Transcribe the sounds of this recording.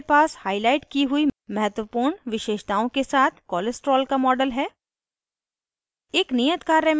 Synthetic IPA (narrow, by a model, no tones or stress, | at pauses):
paːshaːɪlaːɪʈkiɦʊimɐɦət̪wəpuːɾɳʋɪʃeːʃt̪aːõkesaːt̪ʰkɔːlesʈɾɔːlkamɔːɖəlɦɛː | ɪːknijət̪kaːɾjəm